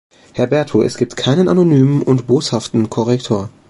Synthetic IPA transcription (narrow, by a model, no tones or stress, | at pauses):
hɛɐbɛɐtʰuːʔɛ̰sɡ̥iːp̚tkʰaɪnənʔanonyːmənʔʊntb̥oːshaftn̩kʰɔʁɛktʰoːɐ